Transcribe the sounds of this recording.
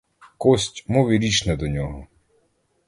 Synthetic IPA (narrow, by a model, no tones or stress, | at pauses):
kɔsʲtʲmɔʋʲiɾʲit͡ʃnɛd̪ɔnʲɔɦɔ